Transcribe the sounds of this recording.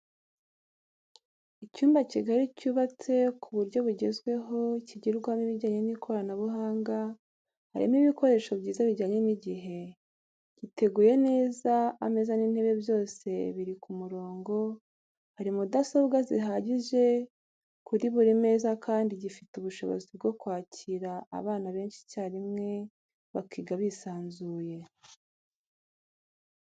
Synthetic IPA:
icuːmbaciɡaɾicuːβat͡se̞kʰuβuɾɟo̞βuɟe̞zɡwe̞ɦo̞ciɟiɾɡwamiβiɟaːɲe̞nikʰo̞ɾanaβuɦaːŋɡa | haɾḛmiβiko̞ɾe̞ʃo̞bɟiːzaβiɟaːɲe̞niɟiɦe̞ | ɟ̥ite̞ɡuje̞ne̞ːzaame̞zanin̥he̞βe̞bjo̞ːse̞βiɾikumuɾo̞ːŋɡo̞ | haɾimudaso̞bɡaziɦaɟiʒe̞ | kuɾiβuɾime̞ːzakʰaːndiɟifituβuʃo̞βo̰zib̚ɡo̞kwaːcʰiɾa̰ːβaːnaβe̞ːnʃi̥caːɾimŋe̞ | βakiːɡaβisaːnzuːje̞

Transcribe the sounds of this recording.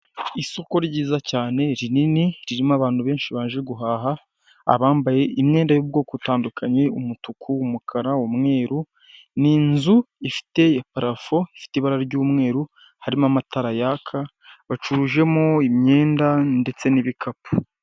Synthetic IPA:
iso̞ko̞ɾɟiːzacaːne̞ɾininiɾiɾimaβaːn̥huβe̞ːnʃiβaːnʒe̞ɡuɦaːɦa̰ː | βaːmbaje̞ʔimɲe̞ːndajuːb̚ɡo̞ːkotaːndukʰaɲe̞umutukʰuːmukʰaɾawomŋe̞ːɾu | niːnzu | ifi̥te̞apaɾafo̞ifi̥teiβaɾaɾɟuːmŋe̞ːɾu | haɾimamataɾajakʰa | βat͡ʃuɾuʒe̞moimɲe̞ːndande̞t͡se̞niβikʰapʰu̥

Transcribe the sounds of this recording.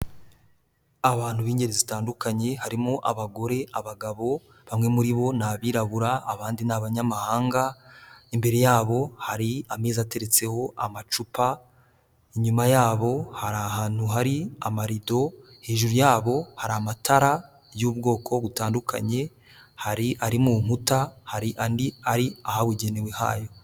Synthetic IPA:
aβaːn̥huβiːɲɟe̞ɾezitaːndukaɲe̞haɾimoʔaβaɡo̞ɾe̞ʔaβaɡaβo̞ | βamŋe̞muɾiβo̞naβiɾaβuɾaːβaːndinaβaɲamahaːŋɡaimbe̞ɾe̞jaːβo̞haɾiameːzate̞ɾe̞t͡se̞ho̞amat͡ʃupa | iɲumajaːβo̞haɾahaːn̥huɦaɾiamaɾido̞ | hiːʒuɾujaːβo̞haɾamatʰaɾa | juːbɡo̞ːkʰo̞βutaːndukʰa̰ɲe̞ | haɾiaɾimum̥utahaɾiʔandiaɾiahawiːɟe̞neweha̰ːjo̞

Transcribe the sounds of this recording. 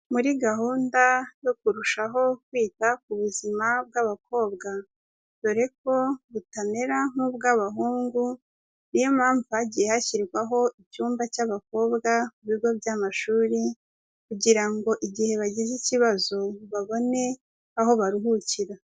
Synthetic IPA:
muɾiɡaɦuːndajo̞kuɾuʃaɦo̞kwiːtak̚uβuzimab̚ɡaβako̞ːbɡa | d̥oɾe̞ko̞βutaneɾaŋ̥ubɡaːβaɦuːŋɡu | nijo̞maːɱvuaɟijehaciɾɡwaɦo̞ʔicuːmbacaβako̞ːβɡamuβiɾɡo̞βɟaːmaʃuːɾi | kuɟiɾaŋɡo̞ʔiɟihe̞βaɟiziciβazo̞βaβo̞ne̞ | aɦo̞βaɾuɦuciɾa

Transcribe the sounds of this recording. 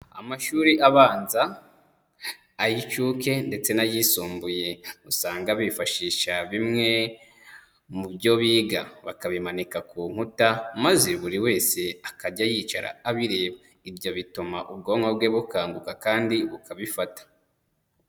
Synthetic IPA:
a̰maʃuːɾiʔaβaːnza | jit͡ʃuːke̞nde̞t͡se̞najisuːmbuje̞usaːŋɡaβifaʃiːʃaβimŋe̞ | mubɟo̞βiːɡaβakaβimanikakuŋ̥hutamaze̞βuɾiwe̞ːse̞akaɟajiːt͡ʃa̰ɾa̰aβiɾe̞ːβa | ibɟo̞βitumaʔub̚ɡoŋabɡe̞ːβukaːŋɡukakaːndiβukaβifatḁ

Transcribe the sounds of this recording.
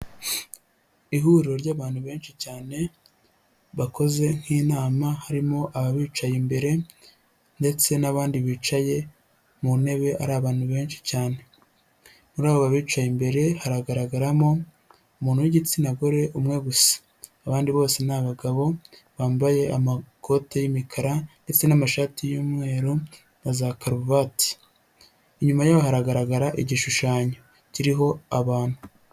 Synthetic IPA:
iɦuːɾiɾo̞ɾɟaːβaːnhuβe̞ːnʃicaːne̞ | βako̞ze̞ŋ̥hiːnaːmahaɾimo̞ʔaβaβiːt͡ʃajimbe̞ɾe̞ | nde̞t͡se̞naβaːndiβiːt͡ʃaje̞ | mune̞βe̞ʔa̰ɾaβaːnhuβe̞ːnʃi̥caːne̞ | muɾaːβo̞βaβiːt͡ʃajimbe̞ɾe̞haɾaɡaɾaɡaɾamo̞ | umuːn̥uiɟit͡sinaɡo̞ɾe̞ʔumŋe̞βusḁ | aβaːndiβo̞ːse̞naβaɡaβo̞ | βaːmbaje̞amako̞te̞jimikʰaɾande̞t͡se̞namaʃaːtijuːmŋe̞ːɾu | βazakaɾuβvaːti̥ | iɲumajaβohaɾaɡaɾaɡaɾaʔiɟiʃuʃaːɲo | ciɾiɦo̞aβaːn̥hu

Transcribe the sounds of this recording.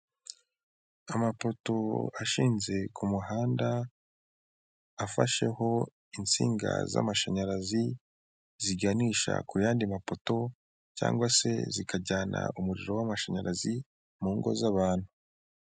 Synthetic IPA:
amapo̞to̞aʃiːnze̞kumuɦaːnda | fa̰ʃe̞ho̞ | int͡sḭːŋɡa̰za̰maʃaɲaɾazi | ziɡaniːʃa̰kujaːndimapo̞to̞ | ca̰ːŋɡwase̞̰zikaɟaːna̰umuɾḭɾo̞wamaʃaɲaɾazi | muːŋɡo̞̰zaβaːn̥hu

